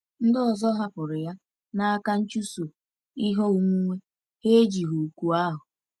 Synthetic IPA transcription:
n̩˦dɪ˦ɔ˨zɔ˦ɦa˦pʊ˨ɾɪ˨ja˦ | na˦a˦ka˦n̩˦t͡ʃu˦su˨ | i˦ɦo˦ŋʷ˦ŋʷe˦ | he˦e˦d͡ʒi˨ɦu˨ku˦a˦ɦʊ˨

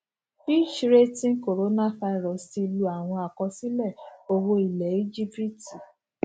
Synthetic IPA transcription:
bi˦˨ʃɾe˦tĩ˦ko˨ɾo˨˦nã˦fa˧i˨ɾɔ˨si˧lu˧a˨w̃ɔ̃˧a˨kɔ̃˧si˦lɛ˦˨o˧wo˧i˨lɛ˨˦i˦d͡ʒi˦bɾi˦ti˨

